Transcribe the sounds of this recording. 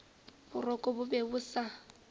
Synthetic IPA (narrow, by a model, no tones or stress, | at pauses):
bʊrɔkʼɔbʊbebʊsa